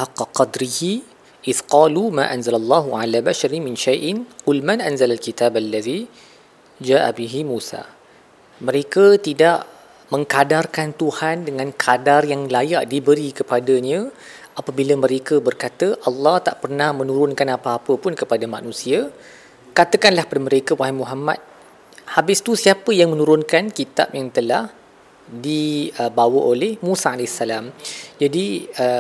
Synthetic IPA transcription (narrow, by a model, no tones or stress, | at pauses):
haqːɑqɑd̪ɾihi | ʔɪθqɑːlumã̰ʔanzalalˤːɑɦuʕa̰labaʃaɾimɪnʃajʔɪnqʊlmanʔanzalalkit̪abalːaði | d͡ʒaːʔa̰biɦimũsa̰ | mə̃ɾekət̪idaʔ | mə̃ŋkadarkant̪uhandəŋãnkʰadarjaŋlajaʔdibəɾikəpadəɲə̃ʔapəbiləmə̃ɾekəbərkat̪əʔɑlːɑht̪aʔpərnahmənũɾʊnkanapaːpəpʊnkəpadama̰nũsia | kat̪əkanlahpadaməɾekəwaɦimuɦama̰t̪̚ | habɪst̪usiapəjaŋmə̃nũɾʊnkankit̪a̰p̚jaŋt̪əlah | diəbawəʔolɛhmũsaalesalamd͡ʒadiə